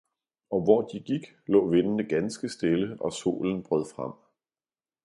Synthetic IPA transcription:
ɒ̽ʋɒːd̥iɡ̥iɡ̥ | lɔ̰ːʋenənəɡ̥ænsɡ̥əsd̥e̝ləɒ̽so̝̰ːln̩b̥ʁœðˠfʁam̰

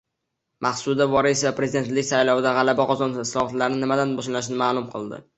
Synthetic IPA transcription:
mʔaχsʊd̪avɒɾisvapɾe̞zid̪e̞nt̪lɪkʲsajlˠɒvɪd̪aʁɑlabaqʰɒzɒnɪslˠɒhɑt̪laɾnɪnɪmad̪anbɒʃlanʃ̬ɪnɪmaːlˠʊmqʰɨ̰lˠd̪ɪ̰

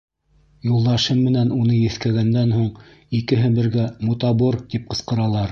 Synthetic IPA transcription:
julˠd̪ɑʃɤmːɘ̆nænunɤjɘ̆θkæɡænd̪ænhuɴ | ikɘɦɘbɘ̆ɾɡæmut̪ɑboɾt̪ip̚qɤ̆sqɤ̆ɾɑlˠɑɾ

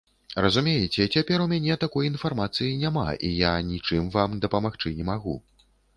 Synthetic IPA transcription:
rɐzumʲejɛt͡sʲɛt͡sʲapʲɛɾumʲanʲɛt̪akɔjinfarmat̪sɨjinʲama̰ʔḭjanʲit͡ʂɨmvamd̪ɐpɐmaxt͡ʂɨnʲɛmaɣu

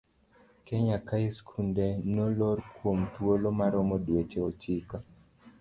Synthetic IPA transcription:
kɛɲakaɪskʰundenolorkwomt̪wolomaɾɔmɔdwet͡ʃeot͡ʃika

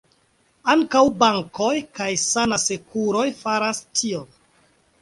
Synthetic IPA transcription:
aŋkawbaŋko̞jkajsanase̞kuɾo̞jfaɾastʰion

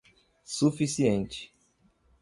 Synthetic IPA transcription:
sufisiẽnt͡ʃi̥

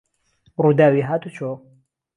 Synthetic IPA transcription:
ruːd̪aːwiɦaːt̪ut͡ʃʰo

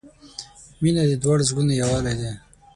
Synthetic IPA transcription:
minad̪ed̪waɽezɡunejawaled̪e

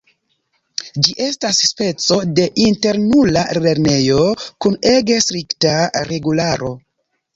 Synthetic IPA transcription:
d͡ʒiʔe̞stasspe̞t͡so̞de̞ʔinte̞ɾnulale̞ɾne̞jo̞kune̞ɡe̞stɾiktaɾe̞ɡulaɾo̞

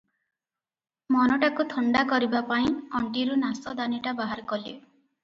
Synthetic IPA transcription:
mɔnɔʈakut̪ʰɔɳɖakɔɾibapaĩɔɳʈiɾunasɔd̪aniʈabaɦaɾkɔle

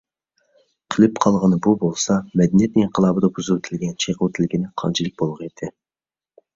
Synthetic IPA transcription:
qʰəlɪpqʰɑlˠʁənɨbubolˠsɑmɛd̪ɪnijɛt̪nɪŋiɴqʰəlˠɑːbɨd̪ɑbuzuwt̪ʰɪlɡʲɛnt͡ʃʰeqʰut̪ʰɪlɡʲinɪqʰɑ̰nt͡ʃʰilˠɨk̚ʲbolˠəʁed̪ʰɪ

